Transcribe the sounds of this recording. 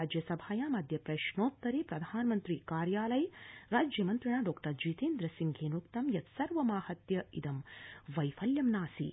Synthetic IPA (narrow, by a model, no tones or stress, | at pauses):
aːd͡ʒjɐsɐbʱaːjamɐd̪ʱjɐpɾɐʃɳoːt̪ːɐɾipɾɐd̪ʱaːnɐmɐnt̪ɾikaːɾjaːlɐjɾaːd͡ʒjɐmɐnt̪ɾiɳaɖɔːkʈɐɾd͡ʒiːt̪eːnd̪ɾɐsiŋɡʱeːnukt̪ɐmjɐt̪sɐɾʋɐmaːhɐt̪jɐid̪ɐmʋɐjfʰɐljɐmnaːsḭ